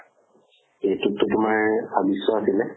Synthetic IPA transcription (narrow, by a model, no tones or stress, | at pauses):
etutːʊtʊmaɹbabisɔasilɛ